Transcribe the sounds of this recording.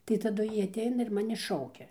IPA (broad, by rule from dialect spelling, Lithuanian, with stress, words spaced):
tɐɪ tɐˈdʊ ˈjiː ɐtʲˈɛɪnɐ ɪr ˈmɑːnʲɪ ˈʃɐʊkʲɛ